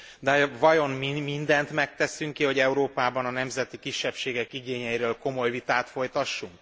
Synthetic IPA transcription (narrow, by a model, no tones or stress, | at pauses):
d̪ɛvɒjo̞mmimind̪ɛnt̪mɛk̚t̪ɛsyŋkiɦo̞ɟɛuɾoːpaːbɒnɒnɛmzɛt̪ikiʃːɛpʃeːɡɛkiɡeːɲɛjiɾøːlko̞mo̞jvit̪aːt̪fo̞jt̪ɒʃːuŋk